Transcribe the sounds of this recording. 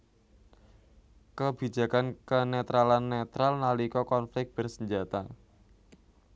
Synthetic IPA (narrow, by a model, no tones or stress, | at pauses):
kəb̥i̤d͡ʒa̤kankənet̪ɾalanːet̪ɾalnalikɔkɔnflɪk̚t̚b̥ərsəɲd͡ʒat̪a